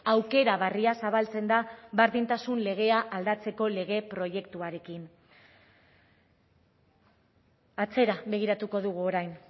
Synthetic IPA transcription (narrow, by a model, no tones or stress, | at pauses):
awke̞ɾaβariasaβalt͡se̞nd̪aβaɾðint̪asunle̞ɣ̞e̞aʔald̪at͡se̞ko̞le̞ɣ̞e̞pɾo̞je̞kt̪uaɾe̞kin | at͡se̞ɾaβe̞ɣ̞iɾat̪uko̞ðuɣ̞uo̞ɾajn